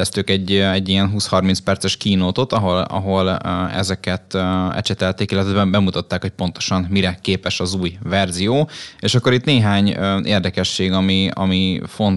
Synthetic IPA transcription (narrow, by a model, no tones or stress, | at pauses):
ɛst̪økɛɟːɛɟːijɛnɦuːshɒrminspɛrt̪sɛʃkiːnoːt̪ot̪ɒɦo̞lɒ̰ɦo̞lɛ̰zɛkɛt̪ɛ̰t͡ʃɛt̪ɛlt̪eːkilːɛt̪ɛɛbɛmbɛmut̪ɒt̪ːaːkhoc̚po̞nt̪o̞̥ʃɒmmiɾɛkeːpɛʃɒzuːjvɛrzijoːeːʃɒkːo̞ɾit̪neːɦaːɲeːrd̪ɛkɛʃːeːɡɒmiɒ̰mifo̞n